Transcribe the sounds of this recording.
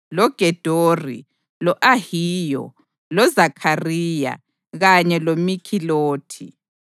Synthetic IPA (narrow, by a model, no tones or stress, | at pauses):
lɔɡ̥ʱɛd̥ʱoːrḭ | lɔʔahiːjɔ̰ | lɔzakʰarija̰ | ɣaɲɛlomikʰiloːtʰḭ